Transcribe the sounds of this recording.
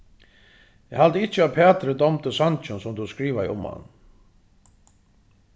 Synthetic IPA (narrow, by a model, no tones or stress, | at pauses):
ɛhalt̪əɪt͡ʃəaðpʰɛːt̪ɾəd̪ɔmt̪əsant͡ʃʏnsʊmt̪uskɾiːʋaj̰ʊ̰mha̰nː